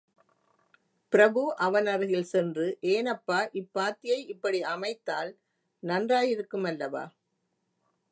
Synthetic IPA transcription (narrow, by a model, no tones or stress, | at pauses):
pɪɾɐbɯʔɐʋɐnɐɾɯɣɪlsɛndrɯʔeːnɐpːaːʔɪpːaːt̪ːɪjɐɪɪpːɐɽiɐmɐɪt̪ːaːl | nɐndraːjɪɾɯkːɯmɐlːɐʋa̰ː